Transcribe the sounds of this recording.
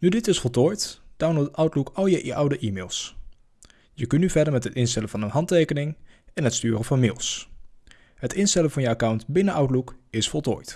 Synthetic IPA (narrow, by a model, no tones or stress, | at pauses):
nydɪtɪsfɔlˠtoːjtd̥awnlotœwtlukɑlˠjəʔʔawdəʔiːmeːlˠs | jəkənyvɛɹdəɹmɛtɦətɪnstɛlənvɑnənɦɑntejkənɪŋɛnɦətstyːrəvɑnmɪːlˠs | ɦətɪnstɛlənvɑnjəakawntbɪnəʔawtlukɪsfɔlˠto̰ːjt